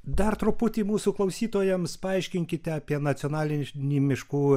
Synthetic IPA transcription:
d̪ɐrt̪ɾʊpʊt̪ʲiːmuːsuːklˠɐʊsʲiːt̪oːjɛmspɐɐɪʃʲkʲɪŋʲkʲɪt̪ʲɛɐːpʲiɛnɐt̪sʲɪɔnɑːlʲɪnʲimʲɪʃkuː

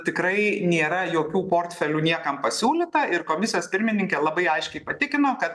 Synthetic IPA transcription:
t̪ʲɪkɾɐɪnʲeːɾɐjoːkʲuːpoːrʲt̪ʲfʲɛlʲuːnʲiɛkɐmpɐsʲuːlʲɪt̪ɐɪɾkoːmʲɪsʲɪijoːspʲɪɾʲmʲɪnʲɪŋʲkʲeːlˠɐbɐɪɐɪʃʲkʲɛɪpɐt̪ʲɪkʲɪnoːkɐt̪

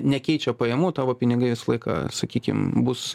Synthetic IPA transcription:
nʲɛkʲɛɪt͡ʃʲoːpɐjɛmuːt̪ɑːʋoːpʲɪnʲɪɡɐɪʋʲɪsɐlˠɐɪkɑ̰ːsɐkʲiːkʲɪ̰mbʊs

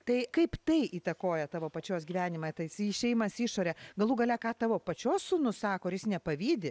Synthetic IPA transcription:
t̪ɐɪkɐɪpt̪ɐɪʔiːt̪ɐkoːjɛt̪ɑːʋoːpɐt͡ʃʲoːsɡʲiʋʲæːnʲɪmɑːt̪ɐɪsʃʲɛɪjmɐsiːʃoːɾʲɛɡɐlˠuːɡɐlʲɛkɑːt̪ɑːʋoːpɐt͡ʃʲoːssʊnʊssɑːkoːɾjɪsnʲɛpɐʋʲiːd̪ʲɪ

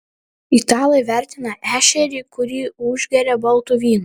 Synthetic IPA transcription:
it̪ɑːlˠɐjʋʲæˑɾʲt̪ʲɪnɐʔæːʃʲɛɾʲiːkʊɾʲiːʊʒʲɡʲɛɾʲɛbɐlˠˑt̪ʊʋʲiːnʊ

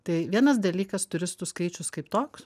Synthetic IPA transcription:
t̪ɐɪʋʲiɛnɐsd̪ɐlʲiːkɐst̪ʊɾʲɪst̪ʊskɐɪt͡ʃʲʊskɐɪpt̪oːks

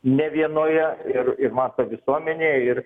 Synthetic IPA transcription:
nʲɛʋʲiɛnoːjɛɪrɪɾmɑːt̪oːʋʲɪsuɔmʲɛnʲeːjɛɪr

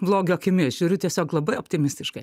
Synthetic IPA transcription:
blˠoːɡʲoːkʲɪmʲiɛʒʲuːɾʲʊt̪ʲiɛsʲoːklˠɐbɐɪoːpʲt̪ʲɪmʲɪsʲt̪ʲɪʃkɐɪ

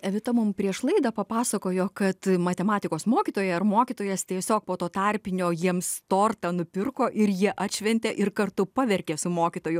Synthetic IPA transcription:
ɛʋʲɪt̪ɐmʊmpʲɾʲiɛʃlˠɐɪd̪ɐpɐpɑːsɐkoːjoːkɐt̪mɐt̪ʲɛmɑːt̪ʲɪkoːsmoːkʲit̪oːjɛɐrmoːkʲit̪oːjɛst̪ʲiɛsʲoːk̚poːt̪oːt̪ɑːrʲpʲɪnʲoːjiɛmst̪oːrt̪ɐnʊpʲɪrkoːʔɪɾjiɛʔɐt̪ʲʃʲʋʲɛnʲt̪ʲeʔɪrkɐrt̪ʊpɐʋʲɛrʲkʲeːsʊmoːkʲɪt̪oːjʊ

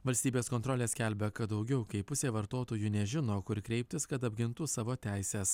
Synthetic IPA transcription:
ʋɐlʲsʲt̪ʲiːbʲeːskoːnt̪ɾoːlʲeːsʲkʲɛlʲbʲɛkɐt̪d̪ɒʊɡʲɛʊkɐɪpʊsʲeːʋɐɾt̪oːt̪oːjuːnʲɛʒʲɪnoːkʊɾʲkɾʲɛɪpʲt̪ʲɪskɐt̪ɐbʲɡʲɪnt̪ʊsɑːʋoːt̪ʲæˑɪsʲeːs

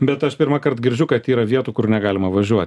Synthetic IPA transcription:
bʲɛt̪ɐʃpʲɪɾmɐkɐɾt̪ɡʲɪɾʲd͡ʒʲʊkɐt̪iːɾɐʋʲiɛt̪uːkʊɾnʲɛɡɑːlʲɪmɐʋɐʒʲuɔt̪ʲ

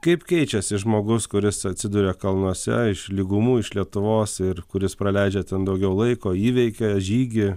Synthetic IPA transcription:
kɐɪpkʲɛɪt͡ʃʲɛsʲɪʒmoːɡʊskʊɾʲɪsɐt̪ʲsʲɪd̪uːɾʲeːkɐlˠnuɔsʲɛ̰ɪʃlʲiɡʊmuːɪʃlʲiɛt̪ʊʋoːsɪɾkʊɾʲɪspɾɐlʲæɪd͡ʒʲɛt̪ʲɛnd̪ɐʊɡʲɛʊlˠɐɪkoːiːʋʲɛɪkʲeʒʲiːɡʲɪ

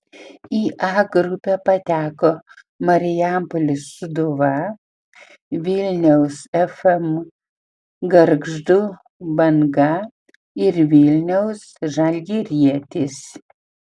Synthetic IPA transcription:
iːʔɑːɡɾʊpʲɛpɐt̪ʲæːkoː | mɐɾʲɪjæˑmpɔlʲɪsʊd̪ʊʋɐ | ʋʲɪlʲnʲɛʊsɛfɛm | ɡɐɾɡʒd̪uː | bɐŋɡɐ | ɪɾʋʲɪlʲnʲɛʊsʒɐlʲɡʲiɾʲiɛt̪ʲɪs

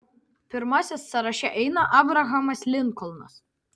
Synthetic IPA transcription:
pʲɪɾmɑsʲɛsːɐɾɐʃʲɛʔɛɪnɐʔɑːbɾɐɣɐmɐslʲɪŋkɔlˠnɐs

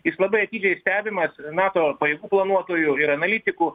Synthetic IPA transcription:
jɪslˠɐbɐɪɐt̪ʲiːd͡ʒʲɛɪsʲt̪ʲæːbʲɪmɐsnɑːt̪oːpɐjeɛːɡuːplˠɐnuɔt̪oːjʊɪɾɐnɐlʲit̪ʲɪkuː

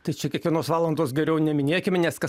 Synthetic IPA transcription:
t̪ɐɪt͡ʃʲɛkʲiɛkʋʲiɛnoːsʋɑːlˠɐnd̪oːsɡʲɛɾʲɛʊnʲɛmʲɪnʲeːkʲɪmʲnʲɛskɐ

